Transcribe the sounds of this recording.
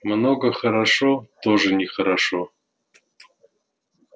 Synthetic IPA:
mnoɡəxəɾaʂot̪oʐɨnʲɪxəɾaʂo

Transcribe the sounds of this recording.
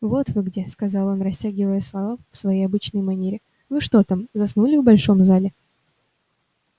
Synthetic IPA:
vo̞t̪vɨɡdʲeskɐzɑlˠo̞nɾɐsʲtʲæɡʲɪvəjəslˠɐvafsvɐjejɐbɨt͡ɕnɨjmɐnʲeɾʲɪ | vɨʂt̪o̞t̪amzɐsnulʲɪvbɐlʲʂo̞mzalʲɪ

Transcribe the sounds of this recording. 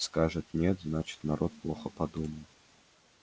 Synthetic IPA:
skaʐɨt̪nʲet̪znat͡ɕɪ̥t̪nɐɾʔot̪̚plˠoxəpɐd̪uməlˠ

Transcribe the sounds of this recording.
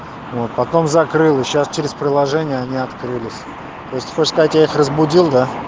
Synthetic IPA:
vo̞t̪̚pɐt̪o̞mzɐkɾɨlˠɨɕast͡ɕeɾʲɪspɾʲɪlˠɐʐɛnʲɪjəɐnʲiɐt̪kɾɨlʲɪsʲ | t̪ojɪsʲtʲxot͡ɕskɐzatʲjaixrəzbʊdʲilˠd̪a

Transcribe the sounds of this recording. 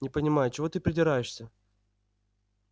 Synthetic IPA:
nʲɪpənʲɪmajʊt͡ɕɪvo̞t̪ɨpɾʲɪdʲɪɾajɪʂsʲə

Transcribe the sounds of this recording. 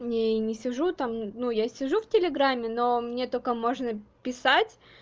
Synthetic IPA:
nʲenʲɪsʲɪʐut̪amnujasʲɪʐuftʲɪlʲɪɡɾamʲːɪno̞mnʲe̞t̪okəmo̞ʐnəpʲɪsatʲ

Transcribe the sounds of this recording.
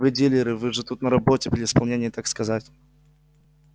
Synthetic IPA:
vɨdʲilʲɪɾɨvɨʐɨt̪ut̪nəɾɐbotʲɪpʲlʲɪɪspɐlˠnʲenʲɪjt̪akskɐzatʲ

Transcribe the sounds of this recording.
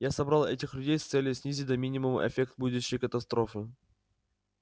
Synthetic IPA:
jasɐbɾalˠɛtʲɪxlʲʉdʲejst̪sɛlʲjʊsʲnʲizʲit̚ʲd̪ɐmʲinʲɪmʊm̰ʔɛ̰fʲek̚t̪̚bud̪ʊɕːɪjkət̪ɐst̪ɾofɨ

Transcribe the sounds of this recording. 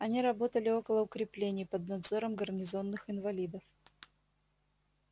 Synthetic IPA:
ɐnʲiɾɐbo̞t̪əlʲɪo̞kəlˠəʊkɾʲɪplʲenʲɪjpəd̪̚nɐd̪zo̞ɾəmɡərnʲɪzo̞nːɨxɪnvɐlʲid̪əf

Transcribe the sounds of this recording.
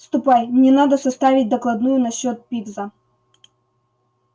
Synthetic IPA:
st̪ʊpajmnʲɛnad̪əsɐst̪avʲɪt̚ʲd̪ɐklˠɐd̪nujʊnɐɕːot̪̚pʲivzə

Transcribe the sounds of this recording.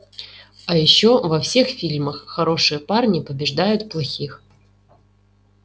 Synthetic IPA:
ajɪɕːovɐfsʲe̞xfʲilʲməxːɐɾo̞ʂɨjəparnʲipəbʲɪʐd̪ajʊt̪plˠɐxʲix

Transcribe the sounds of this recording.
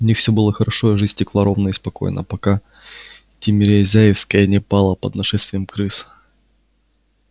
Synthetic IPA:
ʊnʲixfsʲɵbɨlˠəxəɾʔɐʂojəʐɨzʲtʲɪklˠɐɾo̞vnəispɐko̞̰jnə̰pɐka | t̪ʲɪmʲɪɾʲɪɐzʲæjɪfskəjənʲɪpalˠəpə̰d̪nɐʂɛst̪vʲɪjəmkɾɨs

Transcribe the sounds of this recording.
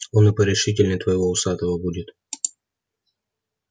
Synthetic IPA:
onɨpəɾʲɪʂɨtʲɪlʲnət̪vəjɪvoʊsat̪əvəbudʲɪt̪

